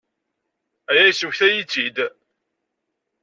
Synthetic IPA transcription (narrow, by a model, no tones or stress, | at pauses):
æjæjsuçθæjit͡sːid̪